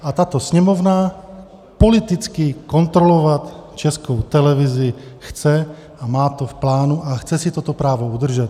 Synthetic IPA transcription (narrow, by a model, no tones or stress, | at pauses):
at̪aːt̪ɔsɲɛmɔvna | pɔlit̪it͡skikɔnt̪ɾɔlɔʋat̪t͡ʃɛskɔwt̪ɛlɛvizixt͡sɛ | amaːt̪ɔfplaːnuʔaxt͡sɛsit̪ɔt̪ɔpɾaːʋɔud̪r̩ʒɛt̪